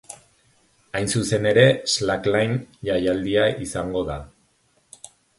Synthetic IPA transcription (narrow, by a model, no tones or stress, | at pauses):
ajnsuse̞ne̞ɾe̞slaklajnʝajald̪iaʔisaŋɡo̞ða